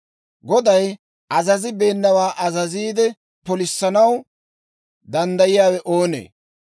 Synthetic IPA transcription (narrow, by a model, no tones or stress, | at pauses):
ɡɔd̪ɐj | ʔɐzɐzɪbe̞ːnːɐwaːʔɐzɐziːd̪ɛ | pɔlɪsːɐnɐw | d̪ɐnd̪ɐjɪjaːwɛʔo̞ːnḛː